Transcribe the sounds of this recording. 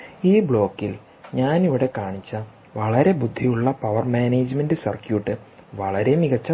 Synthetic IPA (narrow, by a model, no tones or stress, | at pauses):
iːbɭo̞ːkːil | ɲaːniʋiɽe̞kaːɳit͡ɕːɐ | ʋɐɭɐɾe̞bud̪ʱːijuɭːɐpɐʋɐrmaːneːd͡ʑmendɨsɐ̰rkjuːʈːɨʋɐɭɐɾe̞jmiɣɐt͡ɕːɐ